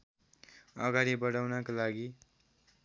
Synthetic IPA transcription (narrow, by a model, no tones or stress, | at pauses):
ʌɡaɾibʌɽawnakolaɡi